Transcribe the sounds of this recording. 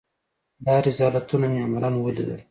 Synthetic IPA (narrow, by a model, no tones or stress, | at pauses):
d̪ɑɾɪzɑlat̪unameamalanwəlḭd̪ə̰l